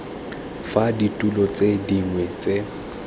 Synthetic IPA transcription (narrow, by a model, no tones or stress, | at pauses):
faditʼulɔt͡sʼediŋwɛt͡sʼe